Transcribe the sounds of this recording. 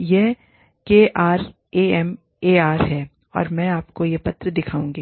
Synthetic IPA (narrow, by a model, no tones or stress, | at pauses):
je | keːʔaːɾ | eːɛm | eːaːɾɦɛː | ɔ̰ːɾmɛ̃ːaːpkojepɐt̪ɾəd̪ɪkʰaːũːŋɡiː